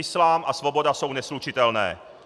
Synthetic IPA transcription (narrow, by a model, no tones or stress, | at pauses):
ɪslaːmʔasvo̞bo̞daso̞wnɛslut͡ʃɪt̪ɛlnɛ̰ː